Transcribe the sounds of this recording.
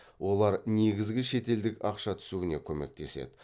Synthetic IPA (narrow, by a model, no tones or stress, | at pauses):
wʔo̞lˠɑɾneɡʲɪzɡʲɪʃe̞t̪e̞ld̪ɪkɑqʃɑt̪ʰʏ̥suwɪnekʲʰɵme̞̰k̚t̪e̞̰se̞̰d̪ɪ